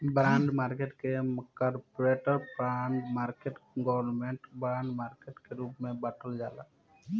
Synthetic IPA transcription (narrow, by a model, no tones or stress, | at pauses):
bɾãːɳɖmaːɾkeʈkemkaɾpɾeːʈəɾpɾaɳɖmaːɾkeʈɡɔʋnmẽɳʈbɾãːɳɖmaːɾkeʈkeɾuːpmẽbaʈʰəld͡ʒa̰ːla̰ː